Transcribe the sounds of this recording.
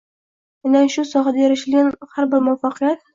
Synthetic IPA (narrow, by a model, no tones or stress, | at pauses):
mɪnaʃʊsɒɦad̪ajaɾaʃɪlɡʲanhaɾbɪɾmʊafɑqɨjat̪̚